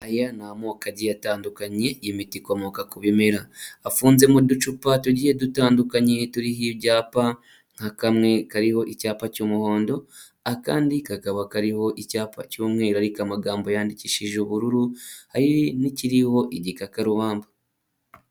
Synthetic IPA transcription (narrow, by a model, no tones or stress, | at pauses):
ajanamoːkaɟijataːndukaɲe̞imitiko̞mo̞kakuβime̞ɾaːfuːnze̞mudut͡ʃupatuɟihe̞dutaːndukaɲe̞tuɾiɦiβɟaːpa | ŋhakamŋe̞kaɾiho̞ʔicaːpacuːmuho̞ːndo̞ | aka̰ːndikakaβakaɾiho̞ʔicaːpʰa̰cuːmŋe̞ːɾaɾikamaɡaːmbo̞jaːndiciʃiʒuβuɾuɾuhajiniciɾiho̞ʔiɟikakaɾuβaːmba